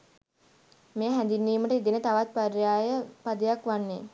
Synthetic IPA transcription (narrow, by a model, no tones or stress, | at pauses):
meːɦænd̪inːiːməʈəid̪inət̪aʋat̪̚paɾjaːjəpad̪ejakʋanːe